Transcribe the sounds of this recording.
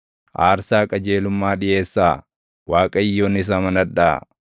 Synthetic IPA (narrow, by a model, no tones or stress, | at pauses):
ʔaːɾsaːkʼɐd͡ʒe̞ːlʊmːaːᶑɪʔe̞ːsːaː | waːkʼɐɪjːoːnɪs̬amɐnɐᶑaː